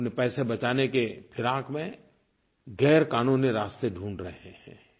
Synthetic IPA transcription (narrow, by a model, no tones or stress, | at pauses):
nepɛːsebɐt͡ʃaːnekepʰɪɾaːkmẽ | ɡɛːɾkaːnuːniɾaːst̪eɖʱũːɳɖɾɐɦehɛ̰̃ː